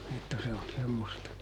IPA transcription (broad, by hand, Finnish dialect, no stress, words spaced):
etːæ se on semːostɑ